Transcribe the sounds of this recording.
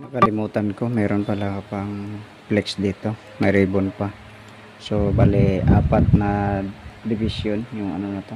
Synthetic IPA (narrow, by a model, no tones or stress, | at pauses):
mɐkɐlɪmuːt̪anko̞mɛːɾonpɐlakapaŋ | plɛksd̪iːt̪o̞ | mɐɾiːbonpa | sobaːlɪʔa̰ːpat̪̚nɐ | d̪ɪbɪsjonjʊŋɐ̰nonɐt̪o